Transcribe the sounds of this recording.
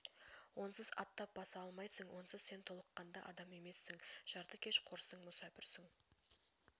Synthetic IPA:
wo̞nsɪzɑ̰t̪ːɑp̚b̥ɑsɑɑlˠmɑjsəŋwʔo̞nsɪzse̞nt̪ʰo̞lˠəqːɑnd̪ɑʔɑd̪ɑme̞me̞sːɪŋʒ̥ɑɾt̪əkʲʰe̞ʃqʰoɾsəɴmʊsæpɪɾsɪŋ

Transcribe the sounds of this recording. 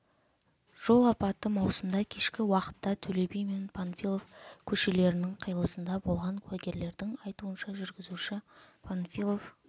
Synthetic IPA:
ʒ̥o̞lˠɑpɑt̪ːəmɑwsəmd̪ɑkʲʰe̞ʃkʲɪwɑqə̥t̪ːɑt̪ʰɵle̞bejme̞npʰanfilˠofkʲʰɵʃe̞le̞ɾɪnɪŋqʰəjlˠəsənd̪ɑbo̞lˠʁɑŋkʲʰwæɡʲe̞ɾle̞ɾd̪ɪŋɑjt̪uənʃɑʒʏɾɡʲɪzuʃɪpʰanfʲilˠof

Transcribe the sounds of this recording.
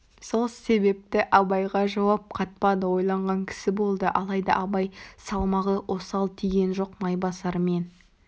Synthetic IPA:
so̞lˠse̞be̞p̚t̪ɪʔɑbɑjʁɑʒɑwɑp̚qʰɑt̪̚pɑd̪əwo̞jlˠɑɴʁɑŋkʲʰɪ̥sɪbo̞lˠd̪əʔɑlˠɑjd̪ɑ̰ʔɑbɑjsɑlˠmɑʁəʔo̞sɑlˠt̪ʰijɡʲe̞nʒo̞qmɑjbɑsɑɾme̞n

